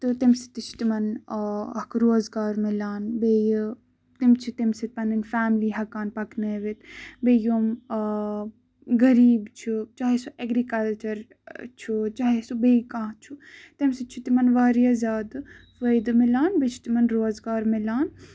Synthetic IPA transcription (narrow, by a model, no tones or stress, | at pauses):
t̪ɨt̪imsi̥t̪it͡ʃʰi̥t̪imɐn | ɐkɾoːzɡaːɾmilaːnbej | t̪imt͡ʃʰit̪imsit̪̚pɐninfaːmliːɦɐkaːnpɐkneːʋit̪bejoːm | ɡɐɾiːbt͡ʃʰut͡ʃaːɦesuʔeɡɾikɐlt͡ʃɐɾ | t͡ʃʰut͡ʃaːɦesubekãːɦt͡ʃʰut̪emsit͡ʃʰut̪imɐnʋaːɾjɐzʲaːd̪ | ʋɐjd̪ɨmilaːnbet͡ʃʰi̥t̪imɐnɾoːzɡaːɾmilaːn